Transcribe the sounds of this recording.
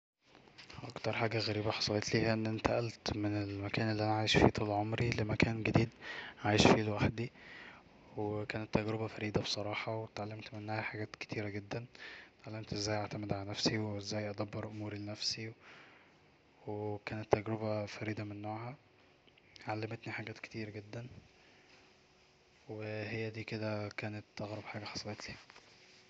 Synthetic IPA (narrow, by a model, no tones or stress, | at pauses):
ʔɑ̰kt̪ɑɾˤħaːɡæɣæɾiːbæħɑ̥sˤɑlet̪liːhæʔenːʔent̪æʔælt̪menelmækæːnʔelːiʔænæʕaːjeʃfḭːt̪ˤuːlʕomɾilemækæːnɡæd̪iːd̪ʕaːjeʃfiːlwæħd̪i | wekæːnet̪ːæɡɾebæfæɾiːd̪æbesˤɑɾˤɑːħɑwet̪ʕalːæmt̪menːæhæħaɡæːt̪ke̥t̪iːɾæɡed̪ːænt̪ʕalːæmt̪ʔezːæːjʔeʕt̪æmed̪ʕalænæfsiweezːæːjʔæd̪æbːɑɾˤʔomuːɾilenæfsi | wekæːnet̪ːæɡɾebæfæɾiːd̪ɑmenːoːʕhæ | ʕalːemet̪niħaɡæːt̪ke̥t̪iːɾæɡed̪ːæn | wehejːæd̪iːked̪ækæːnet̪ːæɣɾɑbħaːɡæħɑ̥sˤlet̪li